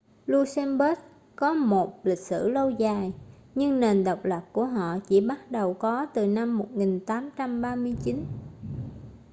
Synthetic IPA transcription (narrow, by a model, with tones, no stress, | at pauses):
lu˧sɛ˧mɓə˦˥k̚ | kɔ˨˦mo˨˩t̚lï˨˩k̟̚sɨ̰˧˩lə˧wzaː˨˩jɲɨ˧ŋne˨˩nɗə˨˩wk͡p̚lə˨˩p̚ku˧˩əɦɔ̰˧˨t͡ɕi˧˩ɓa˦˥t̚ɗə˨˩wkɔ˨˦t̪ɨ˨˩na˧mːo˨˩t̚ŋi˨˩ŋt̪aː˨˦mt͡ɕa˧mɓaː˧mɨ˧əjt͡ɕi˨˦n